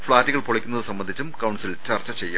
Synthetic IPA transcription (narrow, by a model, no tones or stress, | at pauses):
fɭaːɾiɣɐɭpoɭɐkʲːunːɐðɨsɐmːɐnd̪ʱit͡ɕːumkɐwɳɖsilt͡ɕɐrt͡ɕːɐt͡ɕejːu